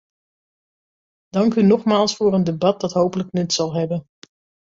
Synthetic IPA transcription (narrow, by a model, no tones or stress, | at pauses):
d̥ɑŋkynɔχmaːlˠsfʊːɹəndebɑt̚dɑtɦowpələknɛtsɑlˠɦɛbən